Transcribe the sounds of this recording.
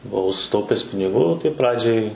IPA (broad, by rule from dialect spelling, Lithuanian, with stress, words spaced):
bʊˈɐʊ sʊˈtɐʊpʲɛs pʲɪnʲɪˈɡuː ˈtɐɪ ˈprɑːd͡ʒʲɛɪ